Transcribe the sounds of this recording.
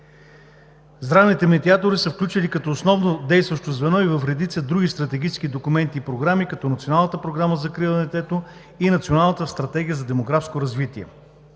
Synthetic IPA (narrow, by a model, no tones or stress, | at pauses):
zɾanit̪ɛmɛd̪iat̪oɾisəfklʲut͡ʃilikɐt̪ɔosnɔvnod̪ɛjst̪vɐʃt̪ozvɛnɔivɐfɾɛd̪it̪səd̪ɾuɡ̟ist̪ɾɐt̪ɛɡ̟ʲit͡ʃɛ̥sk̟id̪okumɛnt̪iːpɾoɡɾamikɐt̪ɔnɐt̪sionalˠnət̪əpɾoɡɾaməzɐkɾilˠənɛt̪ɛt̪o | inɐt̪sionalˠnət̪əst̪ɾɐt̪ɛɡʲijəzɐd̪ɛmoɡɾafskoɾɐzvit̪iɛ̰